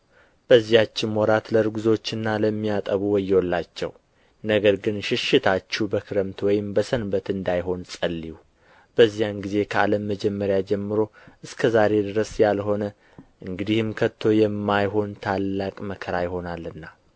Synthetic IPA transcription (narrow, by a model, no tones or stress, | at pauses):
b̥əzːijat͡ʃːɪnwɔɾat̪ləɾɡuzo̞t͡ʃːɨnːaləmːijat̪ʼəβuwɔjːɛwɔlːat͡ʃːɛ̰w | nəɡəɾɡɨnʃɪʃɪt̪ʰat͡ʃːubəkʰɨɾəmt̪ʰwɔjɪmbəsənbət̪ɨnd̪ajɦo̞nsʼəlːiu | b̥əzːijanɡize̞kʰəaləmːəd͡ʒɛmːəɾjad͡ʒɛmːɨɾo̞ʔɨskʰəzaɾe̞d̪ɨɾəsjalɦo̞nə | ʔɨŋɡɨd̪ihɨmkʰət̪ʰːo̞jɛmːajɦo̞nt̪ʰalːakʼməkʰəɾajɪɦo̞nalːɨnːa